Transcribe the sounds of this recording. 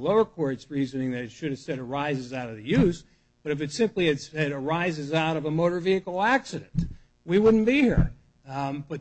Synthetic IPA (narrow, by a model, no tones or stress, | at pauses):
loʊə˞kʰɔɹtsɹizɨ̃nɪ̃ŋðɨɾɨtʃɨɾ̚ɨv̥sɛɾə˞aɪzɨzaʊɾʌvðɨjʉz | b̥ʌɾɨfɨtsɪ̃mpliɨdsɛɾə˞aɪzɨzaʊɾʌvəmoʊɾə˞viɨkl̩ˠæksɨɾɨ̰̃nt | wiwʊdⁿn̩b̥ihḭɹ | b̥ʌ